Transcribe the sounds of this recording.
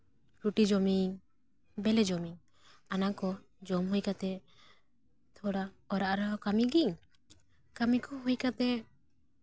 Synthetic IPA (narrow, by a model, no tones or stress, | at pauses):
ɾuʈid͡ʒɔmiŋ | bɛlɛd͡ʒɔmiŋ | anakɔ | d͡ʒɔmɦujkat̪ɛ | t̪ʰɔɽa | ɔɾaʔɾɔkamiɡiŋ | kamikɔɦujkat̪ɛ